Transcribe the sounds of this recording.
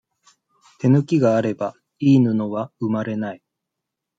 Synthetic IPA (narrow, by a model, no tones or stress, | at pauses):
t̪e̞nɯ̟kʲiɡaːɾe̞ba | iːnɯ̟noβaɯmaɾe̞nai